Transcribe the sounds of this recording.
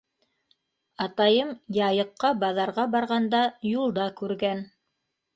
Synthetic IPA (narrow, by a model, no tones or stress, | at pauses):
ɑt̪ɑjɤmjɑjɤ̆qːɑbɑðɑɾʁɑbɑɾʁɑnd̪ɑjulˠd̪ɑkʉɾɡæn